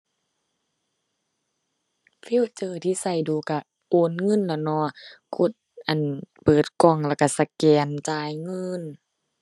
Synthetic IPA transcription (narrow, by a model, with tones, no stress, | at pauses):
fi˧˥˨t͡ɕɤː˧˩t̪ʰiː˧˨sa˧˩jduː˨˧ka˧˩ | ʔoː˨nŋɤ˧˥˨nla˧˩nɔ˧˦kʰo˧˥˨t̪̚ʔa˨npɤː˨˩t̪̚kɔ˧˩ŋlɛ˧˩ka˧˩sa˧kɛː˨˩nt͡ɕaː˧jŋɤ˧˥˨n